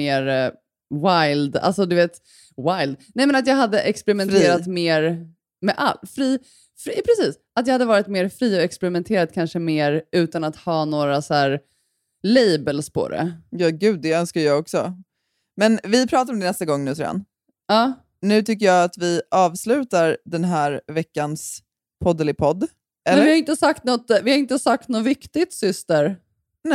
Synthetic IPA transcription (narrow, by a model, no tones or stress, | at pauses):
eːɾ | wajld̪a̰lsɔd̪ɵveːt̪ | wajld̪̚nɛmɛnat̪jɑːɡɦad̪ːəʔɛkspɛɾɪmɛnʰeːɾat̪meːɾ | mɛʔa̰lfɾiː | fɾpʰɾɛsiːs | at̪jɑːhad̪ːəvɑːɾɪt̪meːɾfɾiːɔɛkspɛɾɪmɛnt̪ʰeːɾad̪̚kʰanʂəmeːɾʔʉ̟ːt̪anat̪hɑːnoːɾasæːɾ | lɛjbəlspʰɔ̰d̪ɛ̰jɑːɡʉ̟ːd̪̚ːɛœnskajjɑːɡɔksɔ | mɛnvɪpʰɾɑːt̪aɾɔmd̪ɛnɛst̪aɡɔŋːnʉ̟ːsɔ̰a̰n | ɑː | nʉ̟ːt̪ʰʏkːəjɑːat̪vɪɑːvslʉ̟ːt̪aɾd̪ɛnɦæːɾvɛkːans | pʰɔd̪ɛlɪpʰɔd̪ː | ʔɛɛvɪhaɾɪnt̪əsak̚t̪nɔt̪ːvɪhaɪnt̪əsak̚t̪nɔt̪vɪkt̪ɪt̪sʏst̪əɾ | nɛ